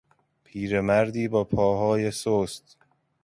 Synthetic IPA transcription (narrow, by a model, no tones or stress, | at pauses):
pʰiːɾe̞mæɾd̪iːbɒːpʰɒːɦɒːjesoːst̪